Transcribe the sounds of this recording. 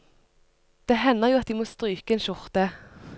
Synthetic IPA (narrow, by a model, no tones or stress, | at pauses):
d̪̥eːhɛnːəʁjuːɑt̪̚d̪iːmoːst̪ʁyːkəeːnʃʊʁt̪ə